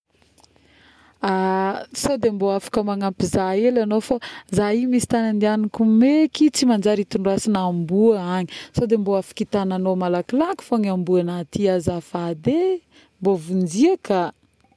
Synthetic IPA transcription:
asod̪emboafḁkəmaŋampizaelanofazaɦimisi̥t̪anand̪ianikumekit͡simand͡ʒaɾit̪uɳɖ͡ʐuasinambuəaɲi̥sod̪emboafḁkit̪ananomalakilaki̥foɲambuanat̪iazafad̪e | mbovund͡ʒiəka

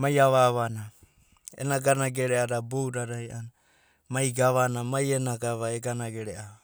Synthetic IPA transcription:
majaβaβana | ḛnaɡanaɡeɾeaɾabowɾaɾajʔana | majɡaβanamajenaɡaβaeɡanaɡeɾeʔa

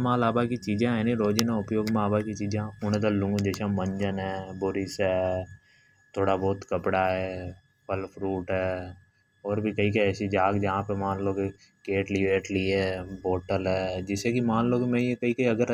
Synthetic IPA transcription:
mãːlaːbakit͡ʃiːd͡ʒãːɦɛ̃nĩɾoːd͡ʒinaʊpjoːɡmaːbakit͡ʃiːd͡ʒãʊɽ̃ẽd̪alʊ̃ŋɡd͡ʒesãmə̃ɲd͡ʒənɦɛːboːɾisɦɛː | t̪ʰoːɽabɔːt̪kəpɽaɦɛː | pəlpʰɾuːʈɦɛː | ɔːɾbʱikɐikəɛːsid͡ʒaːɡd͡ʒɐɦãpemãːnloːke | keːʈliʋeːʈlieːboːʈəlɦɛːd͡ʒɪsekimãːnloːkemɛ̃jekɐikɐiɐɡəɾ

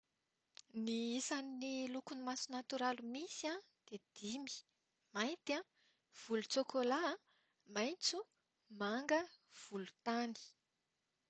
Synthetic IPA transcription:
niisaninilukunimasunat̪uɾalumisiã | d̪̥ed̪̥imi̥ | majnt̪ã | v̥ulut͡sokʰola | majnt͡su | maŋɡəv̥ulu̥t̪ani̥

